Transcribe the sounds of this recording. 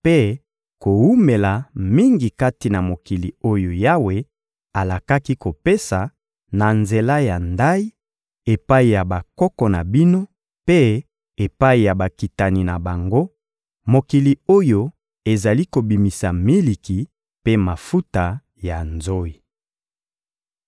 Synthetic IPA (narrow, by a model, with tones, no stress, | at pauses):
pe˦ | ko˨wu˦me˨la˨mi˦ŋɡi˨ka˦ti˨na˨mo˨ki˨li˨o˦jo˨ja˦we˨ | a˨la˨ka˦ki˦ko˨pe˦sa˨ | na˨nze˨la˦ja˨nda˦i˦ | e˨pa˦i˨ja˨ba˨kɔ˦kɔ˨na˨bi˦no˦ | pe˦ | e˨pa˦i˨ja˨ba˨ki˨ta˨ni˨na˨ba˨ŋɡo˦ | mo˨ki˨li˨o˦jo˦ | e˨za˨li˦ko˨bi˨mi˨sa˨mi˦li˨ki˨ | pe˦ma˨fu˦ta˨ | ja˨nzo˦i˨